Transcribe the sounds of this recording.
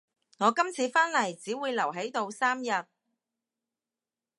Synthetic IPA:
ŋɔː˨˧kɐ˥mt͡sʰiː˨˧faː˥nlɐ˨˩jt͡siː˨˥wuː˨˧jlɐ˨˩wɦe˨˥jt̪o˧wsaː˥mjɐ˨t̚

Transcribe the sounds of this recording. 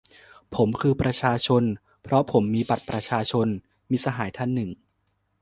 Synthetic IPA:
pʰo˩˦mkʰɯː˧pɾa˧t͡ɕʰaː˧t͡ɕʰo˧n | pʰɾɔ˦˥pʰo˩˦mːiː˧ba˨˩t̪̚pɾa˧t͡ɕʰaː˧t͡ɕʰo˧n | miː˧sa˧ɦaː˩˦jt̪ʰa˧˥nːɯ˨˩ŋ

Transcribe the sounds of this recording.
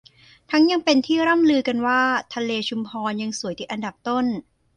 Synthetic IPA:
t̪ʰa˦˥ŋja˧ŋpe˧nt̪ʰiː˥˩ɾa˥˩mlɯː˧ka˧nwaː˥˩t̪ʰa˧leː˧t͡ɕʰu˧mpʰɔː˧nja˧ŋsu˨˩˦jt̪i˨˩ʔa˧nda˨˩p̚t̪o˥˩n

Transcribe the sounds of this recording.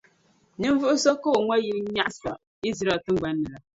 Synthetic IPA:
nɨ˦ɱ˦vu˦ʔu˦sɔ˦ko˦˨ŋʷwa˦ji˦ɲa˦ʔsa˨ | i˦zɾa˨tɨ˦ŋ͡mɡ͡ba˦nːɨ˨la˨

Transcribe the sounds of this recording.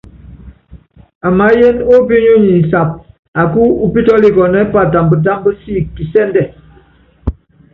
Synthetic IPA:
a˨ma˨˦je˦no˦bi˦ɲu˦ɲi˨sa˨p̚ | a˨ku˦u˦pi˦tɔ˦li˦ɡɔ˨nɛ˦pa˦˨ta˨mbə˨da˦mbə˦si˦˨ki˨sɛ˦n˦dɛ˨

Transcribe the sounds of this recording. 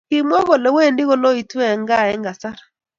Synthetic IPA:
ki˦mwɔ˦ɣɔ˨lɛ˨we˦˨ndi˦ɣɔ˦˨lɔ˦i˨twɛ˨ŋɡa˦˨ɛ˦ŋɡa˨sa˦ɾa˨

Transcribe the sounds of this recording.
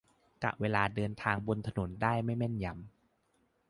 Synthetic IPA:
ka̰˨˩ʔwʔeː˧laː˧dɤː˧nt̪ʰaː˧ŋbo˧nt̪ʰa˧no˩˦ndaː˥˩jma˥˩jmɛ˥˩nja˧m

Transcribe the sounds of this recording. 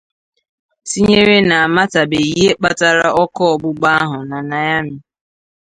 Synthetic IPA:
si˦ɲe˦ɾe˦na˨a˨ma˦ta˨be˨i˦˨ɦe˦k͡pa˦ta˦ɾa̰˦ʔɔ˦kɔ˦ɔ˨bʊ˦ɡ͡ba˦ɦʊ˨na˨na˨ja˦mɪ˨

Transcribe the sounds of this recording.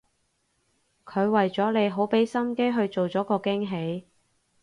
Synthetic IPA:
kʰɵ˨˧ɥwɐ˨jt͡sɔː˨˥le˨˧jɦo˨˥wpe˨˥jsɐ˥mke˥jɦɵ˧ɥt͡so˨wt͡sɔː˨˥kɔː˧kɪ˥ŋɦe˨˥j

